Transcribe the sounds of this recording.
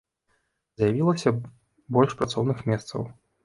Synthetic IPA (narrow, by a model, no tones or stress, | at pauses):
zjavʲilˠɐsʲɐ | bɔlʲʂpɾat̪sɔwnɨxmʲɛst̪sɐ̰w